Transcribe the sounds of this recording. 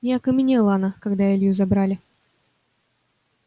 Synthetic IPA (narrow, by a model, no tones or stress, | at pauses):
nʲɪɐkəmʲɪnʲelˠəɐnakɐɡd̪aelʲjuzɐbɾalʲɪ